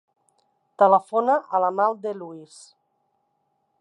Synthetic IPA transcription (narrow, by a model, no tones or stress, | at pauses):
t̪ələfonaʔəlamalˠd̪eluis